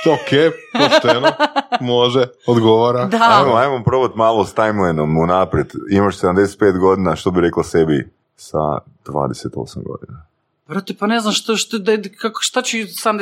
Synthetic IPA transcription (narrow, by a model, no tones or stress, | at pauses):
okeːposenomoʒe | od̪ɡoʋaɾad̪aajmoajmampɾoβat̪maːlˠost̪ajmlˠejnomunapɾjed̪imaʃsed̪amd̪eset̪̚pe̞ːt̪ɡo̞d̪inaʃt̪obiɾeklˠasebi | sa̰ | d̪̥ʋa̰ːd̪eset̪o̞̰samɡo̰d̪ḭna | bɾat̪epaneznamʃt̪oʃt̪d̪akakʃt̪at͡ɕesed̪amd̪e